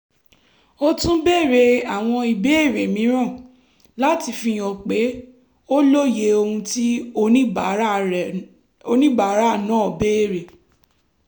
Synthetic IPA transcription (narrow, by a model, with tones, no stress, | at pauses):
o˦tũ˦be˦˨ɾe˧a˨w̃ɔ̃˧i˧˨be˦e˦˨ɾe˨mĩ˨˦ɾ̃ã˦˨ | la˦ti˧fĩ˧j̃ɔ̃˨k͡pe˨˦ | o˦lo˦je˧˦o˧hũ˧ti˦õ˧˦˨ | o˧nĩ˦ba˨˦ɾa˦˨nã˨˦ɔ˨be˦e˦˨ɾe˨